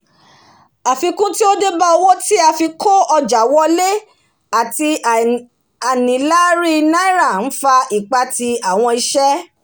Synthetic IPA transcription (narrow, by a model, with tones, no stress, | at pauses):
a˨fi˧kũ˦ti˦o˦de˦ba˦o˧wo˦ti˦a˧fi˧kʰo˦ɔ˧d͡ʒa˨wɔ˦le˦ | a˨ti˧ | a˨nĩ˨˦la˦ɾi˦nã˦i˦ɾa˦˨n̩˦fa˧i˨k͡pa˧ti˧a˨w̃ɔ̃˧i˧ʃɛ˦